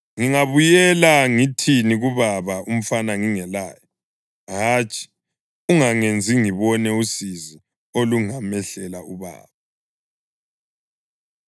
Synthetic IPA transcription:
ŋiŋaβujɛlaŋitʰiniɣuβaβaum̩fanaŋiŋɛlaːjɔ | ɦaːt͡ʃʼi̥ | uŋaŋend͡zʱiŋiβɔnɛusizi | oluŋamɛɬɛlauβa̰ːβa

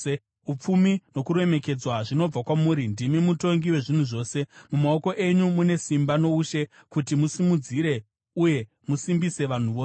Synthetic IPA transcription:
up͡fumino̞kuɾe̞me̞ke̞d͡zwaʐino̞b͡vakwamuːɾindimimuto̞ŋɡiwe̞ʐin̤uʐo̞ːse̞mumao̞ko̞ʔe̞ɲumune̞simbano̞uʃe̞ | kutimusimud͡ziɾe̞ | uje̞ | musimbise̞ʋan̤uʋoːe

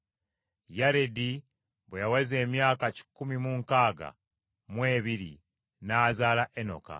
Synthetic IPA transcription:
jaɾedi | βwejawaze̞ːmjaːkaci̥kːumimuŋkaːɡa̰ | mwe̞ːβiɾi | naːzaːlaʔeno̞̰ka̰

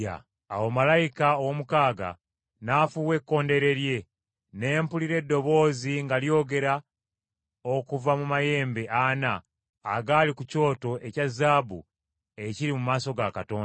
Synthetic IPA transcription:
a̰ | a̰womalajikaowomukaːɡa̰ | nafuːwe̞kːo̞ːnde̞ɾe̞ɾje̞ | ne̞ːmpuliɾe̞dːo̞βo̞ːziŋɡaljo̞ːɡe̞ɾa | o̞kuvamumaje̞ːmbe̞ʔanaː | ɡaːlikuco̞ːto̞ʔe̞cazːaːbṵ | e̞ciɾimumaːso̞ɡakato̞ːnda

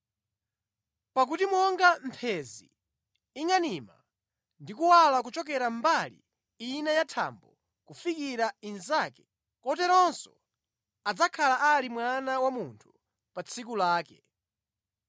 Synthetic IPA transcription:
pak̬utimɔŋɡam̩pʰɛzḭː | ŋanima̰ | ndikuwalak̬ut͡ʃɔk̬ɛɾambalḭ | inɛjatʰa̰mbɔ | kufikiɾainzakɛ̥ | kɔtɛɾɔnsɔ̰ | ad͡zakʰalaʔalimwanawamuntʰu̥ | pat͡sʰikulaːkɛ

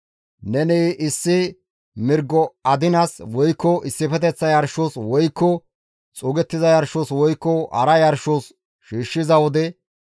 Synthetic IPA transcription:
nɛnɛʔɪsːɪ | mɪɾɡːɔɐd̪ɪnɐswɔjkːɔʔɪsːɪpɛt̪̬ɛt͡sːɐjɐɾʃoswɔjkːɔ | t͡sʼʊːɡɛt̪ːɪzɐjɐɾʃoːswɔjkːɔɐ̰ɾɐjɐɾʃos | ʃiːʃːɪzɐwɔd̪ɛ

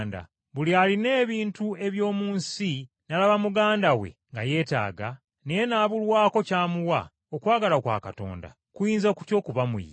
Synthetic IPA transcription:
nda̰ | βulialine̞ːβiːntue̞βjo̞ːmuːnsi | nalaβamuɡaːndawḛŋɡa̰je̞ːta̰ːɡa | nejenaːβulwaːko̞caːmuwa | okwaːɡalakwa̰ːkato̞̰ːnda̰ | kujiːnzoku̥co̞ːkuβamṵj

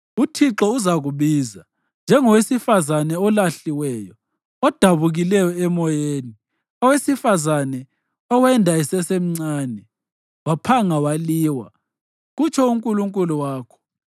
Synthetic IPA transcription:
utʰiǁɔuzaɣuβiːza | nd͡ʒʱɛŋɔwesifazanɛɔlaɬiwɛjɔ | ɔd̥ʱaβuɣilɛjɔɛmɔjeːni | ɔwesifazanɛ | ɔwɛndʱaisɛsem̩ŋ͡ǀaːnɛ | wapʰaŋawaliːwa̰ | ɣut͡ʃʰɔuŋkʼuluŋkʼuluwaːkʰɔ̥

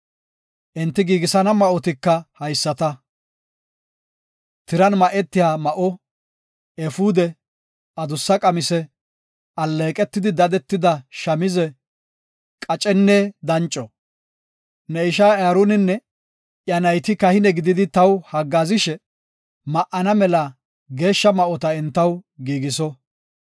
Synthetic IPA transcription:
ʔɛnt̪ːɪɡiːɡɪsɐnɐmɐʔɔt̪ɪkːɐhɐjsːɐt̪ɐ | t̪ɪɾɐnmɐʔɛt̪ːɪjaːmɐʔɔ | ɛfud̪ɛ | ɐd̪ʊsːɐkʼɐmɪsɛ | ɐlːeːkʼɛt̪ːɪd̪ɪd̪ɐd̪ɛt̪ːɪd̪ɐʃɐmɪzɛ | kʼɐt͡ʃʼɛnːeːd̪ɐnt͡ʃʼːɔ | nɛɪʃ̬aːaːɾunɪnːɛ | ʔjɐnɐjt̪ɪkɐhɪnɛɡɪd̪ɪd̪ɪt̪ɐwhɐɡːaːzɪʃɛ | mɐʔɐnɐmɛlɐ | ɡe̞ːʃːɐmɐʔɔt̪ɐɛnt̪ːɐwɡiːɡɪsɔ

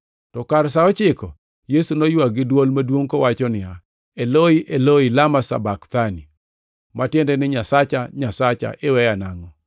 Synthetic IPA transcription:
tɔkaɾs̬aɔt͡ʃɪkɔ | jesunojwaɡɪdwolmadwoŋkowat͡ʃɔnɪja | eloiʔeloilamasa̰bakt̪ani | matjendɛnɪɲasat͡ʃaɲasat͡ʃa̰ʔɪwɛjanaŋɔ

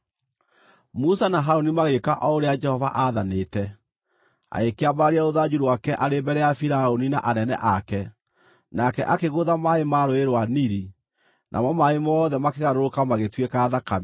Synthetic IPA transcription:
musanaɦaɾonimaɣekaʔɔoɾead͡ʒɛhɔvaʔaðaneːtɛ | a̰ekeabaɾaɾeaoðad͡ʒuɾwakɛʔaɾebɛɾɛjafiɾaonina̰ʔanɛnɛ̰ʔakɛ | nakɛʔakeɣoðamaemaɾoeɾwaniɾi | nʔa̰mɔmaemɔːðɛmakeɣaɾoɾokamaɣetwekaːðakami

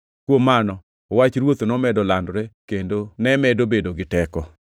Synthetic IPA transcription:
kwomːanɔ | wat͡ʃɾwot̪nɔmɛdɔlandɾɛkendonɛmɛdobedoɡɪtɛkɔ

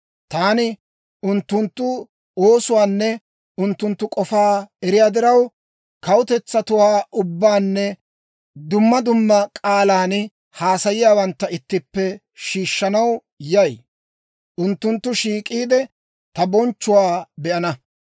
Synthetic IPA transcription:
t̪aːnɪ | ʊnt̪ːʊnt̪ːʊ | oːsʊwaːnːɛ | ʊnt̪ːʊnt̪ːʊkʼɔfaːɛɾɪjaːd̪ɪɾɐw | kɐwʊt̪ɛt͡sːɐt̪ʊwaːʔʊbːaːnːɛ | d̪ʊmːɐd̪ʊmːɐkʼaːlaːnɪ | haːsɐjɪjaːwɐnt̪ːɐɪt̪ːɪpːɛ | ʃiːʃːɐnɐw | jɐj | ʔʊnt̪ːʊnt̪ːʊʃiːkʼiːd̪ɛ | t̪ɐbɔnt͡ʃːʊwaːbɛʔɐnɐ

